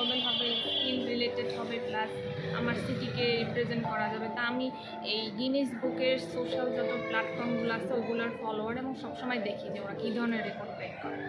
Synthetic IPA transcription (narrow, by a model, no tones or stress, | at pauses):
belbʱabeofilmɾileʈeɖɦɔbeplas | a̰maɾsiʈikeɾipɾed͡ʑenʈkɔɾad͡ʑabet̪aami | ejɡiniʃbukeɾsoʃald͡ʑɔt̪oplaʈfɔɾmɡuloasʰeoɡulaɾfɔloaɾeboŋʃɔbʃɔmɔed̪ekʰid͡ʑeoɾakid̪ʱɔɾoneɾɾipoɖkajkɔɾe